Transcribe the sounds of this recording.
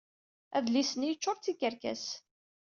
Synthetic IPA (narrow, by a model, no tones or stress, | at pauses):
æðlisənijət͡ʃːoɾˤt͡sːikəɾkæ̰s